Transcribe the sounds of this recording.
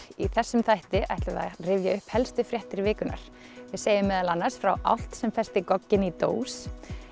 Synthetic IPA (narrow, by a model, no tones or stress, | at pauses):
iθɛsːʏmθajht̪ɪʔa̰jht̪lʏða̰rɪvjaʏhphɛlst̪ʏfɾjɛht̪ɪɾvɪːkʏna̰ɾ̥ | vɪseːjʏmːɛðalanːaɾ̥sfɾawʔa̰wl̥t̪sɛmfɛst̪ɪkɔcːɪnit̪o̰ːws